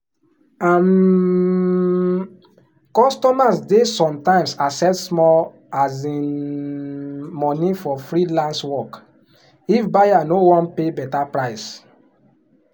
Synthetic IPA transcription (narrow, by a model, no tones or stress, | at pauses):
am | kɔstɔmasdesɔ̃mtãɪ̃msasɛssmɔl | azĩn | mɔ̃nifɔfɹilãnswɔk | ifbajanowɔ̃npebɛtapɹaɪs